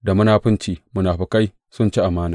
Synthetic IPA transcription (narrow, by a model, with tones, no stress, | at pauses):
da˨mʊ˦naː˨ɸɪ˦nt͡ʃiː˨mʊ˦naː˨ɸi˦ka˦j | sʊ˦nt͡ʃi˦ʔa˨maː˦naː˨